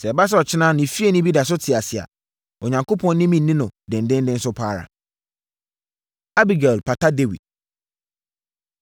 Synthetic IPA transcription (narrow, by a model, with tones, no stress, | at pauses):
sɛ˨ba˦s̬ɛ˦ɔ˨t͡ɕʰɪ˦nã˦nɪ̃˨fi˦e˨nĩ˦bi˦da˨s̬ʊ˦tʰɪ˨a˨sɪ˨a̰˨ | ɔ˨ɲã˨ŋkʰo˦pʰɔ̃˨n˦nɪ̃˦mĩ˦nː˦nĩ˦nʊ̃˨dɪ̃˨n˨dɪ̃˦n˦dɪ̃˦n̩˦sʊ˦pʰaː˦ɾa̰˨ | a˦bi˨ɡa˨lpʰa˨tʰa˦de˦wḭ˨d̥̚